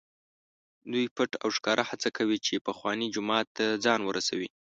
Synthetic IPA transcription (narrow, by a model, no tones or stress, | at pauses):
d̪ujpəʈa̰wʃkɑɾʔahat͡sakʰawit͡ʃepəxwɑnid͡ʒʊmɑt̪ːad͡zɑnwəɾʔasawi